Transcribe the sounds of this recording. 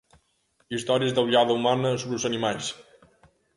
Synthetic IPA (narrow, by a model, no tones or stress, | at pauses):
ist̪ɔɾiəzðəwʎaðəumanəsoβɾəuzənimajs